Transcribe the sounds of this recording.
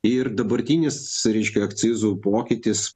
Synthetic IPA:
ɪɾd̪ɐbɐɾʲt̪ʲinʲɪsɾʲɛɪʃʲkʲɛɐkt̪sʲɪzuːpoːkʲɪt̪ʲɪs

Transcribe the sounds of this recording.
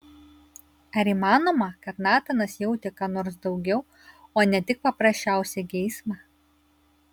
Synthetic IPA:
ɐɾʲiːˑmɑːnoːmɐkɐt̪nɑːt̪ɐnɐsjɛʊt̪ʲɪkɑːnoːɾsd̪ɒʊɡʲɛʊ | oːnʲɛt̪ʲɪk̚pɐpɾɐsʲt͡ʃʲæˑʊsʲɛɡʲɛɪsmɑ

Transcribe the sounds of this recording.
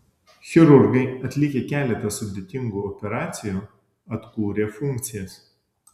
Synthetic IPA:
xʲɪɾʊɾɡɐɪɐt̪ʲlʲɪkʲeːkʲæːlʲɛt̪ɐsʊd̪ʲeːt̪ʲɪŋɡuːɔpʲɛɾɑːt̪sʲɪjuː | ɐt̪kuːɾʲeːfʊŋʲkt̪sʲɪjɛs

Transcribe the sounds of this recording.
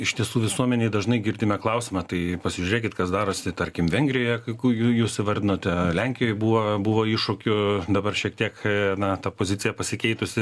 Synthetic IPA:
ɪʃt̪ʲiɛsuːʋʲɪsuɔmʲɛnʲeɪd̪ɐʒnɐɪɡʲɪrʲd̪ʲɪmʲɛklˠɐʊsʲɪmɐt̪ɐɪpɐsʲɪʒʲʊɾʲeːkʲɪt̪kɐsd̪ɑːɾoːsʲɪt̪ɐɾʲkʲɪmʋʲɛŋʲɡɾʲɪjoːjɛkɐɪkujujuːssʲɪʋɐrʲd̪ʲɪnoːt̪ʲɛlʲɛŋʲkʲɪjoːjbuːʋoːbʊʋoːiɪʃʊkʲʊd̪ɐbɐrʃʲiɛk̚t̪ʲiɛknɐt̪ɐpoːzʲɪtt͡s̪ʲɪjɛpɐsʲɪkʲɛɪt̪ʊsʲɪ

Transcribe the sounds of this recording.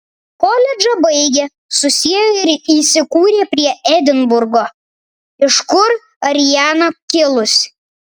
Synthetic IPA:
kolʲɛd͡ʒɐbɐɪɡʲeː | sʊsʲiɛjoːɪɾiːsʲɪkuːɾʲeːpʲɾʲiɛɛd̪ʲɪnbʊɾɡoː | ɪʃkʊɾ | ɐɾʲjæːnɐkʲɪlˠʊsʲ

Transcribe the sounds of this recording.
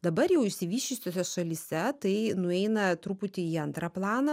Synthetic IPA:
d̪ɐbɐɾjɛʊɪʃʲsʲɪʋʲiːʃʲʊsʲoːsʲɛʃɐlʲisʲɛt̪ɐɪnʊɛɪnɐt̪ɾupʊt̪ʲɪiːɐnt̪ɾɑplˠɑːnɐ

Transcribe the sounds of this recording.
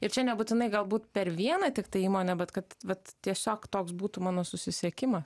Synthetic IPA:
ɪɾt͡ʃʲɛnʲɛbuːt̪ʲɪnɐɪɡɐlˠbuːt̪pʲɛɾʋʲiɛnɐt̪ʲɪkt̪ɐɪiːmoːnʲɛbʲɛt̪kɐt̪ʋɐt̪tʲːiɛsʲoːkt̪oːksbuːt̪umɑːnoːsʊsʲɪsʲiɛkʲɪmɐs

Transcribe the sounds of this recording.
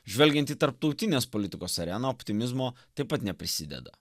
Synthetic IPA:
ʒʲʋʲɛlʲɡʲɛ̃nt̪ʲiːt̪ɐɾpt̪ɒʊt̪ʲɪnʲeːspɔlʲɪt̪ʲɪkoːsɐɾʲɛnoːɔpʲt̪ʲɪmʲɪzmoːt̪ɐɪpːɐt̪nʲɛpʲɾʲɪsʲɪd̪ʲɛ̰d̪ɐ̰

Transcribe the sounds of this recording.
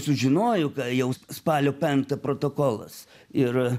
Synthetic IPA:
sʊʒʲɪnoːjʊkɐjɛʊspɑːlʲoːpʲɛŋk̚t̪ɐpɾoːt̪oːkoːlˠɐ̰s | ɪr

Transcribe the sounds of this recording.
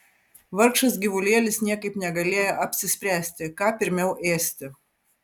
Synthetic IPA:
ʋɐɾkʃɐsɡʲɪʋʊlʲeːlʲɪsnʲiɛkɐɪpnʲɛɡɐlʲeɛjɛʔɐpʲsʲɪsʲpʲɾʲæːsʲt̪ʲɪkɑːpʲɪɾʲmʲɛʊʔeːsʲt̪ʲɪ

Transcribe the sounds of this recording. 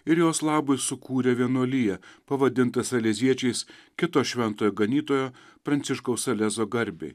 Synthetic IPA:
ɪɾjoːslˠɑːbʊɪsʊkʰuːɾʲɛʋʲiɛnuɔlʲɪjɛpɐʋɐd̪ʲɪnt̪ɐsɐlʲɛzʲiɛt͡ʃʲɛɪskʲɪt̪oːʃʲʋʲɛnt̪oːjoːɡɐnʲiːt̪oːjoːpɾɐnʲt̪sʲɪʃkɐʊsɐlʲɛzoːɡɐɾʲbʲɛ̰ɪ

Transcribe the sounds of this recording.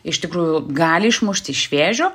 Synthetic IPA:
ɪʃt̪ʲɪkɾuːjʊɡɑːlʲɪɪʃmʊʃʲt̪ʲɪʃʲʋʲeːʒʲoː

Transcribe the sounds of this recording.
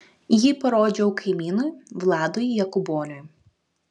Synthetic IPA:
jipɔɾɔd͡ʒʲɔwkɪmʲinɔjʊʋlˠɑd̪ɔjijɐkʊbɔnʲɔjʊ

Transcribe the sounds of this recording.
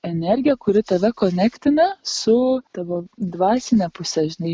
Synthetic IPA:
ɛnʲɛɾʲɡʲɪjɛkʊɾʲɪt̪ɐʋʲɛkoːnʲækt̪ʲɪnɐsʊt̪ɑʋoːd̪ʋɑːsʲɪnʲɛpʊsʲɛʒʲɪnɐɪ

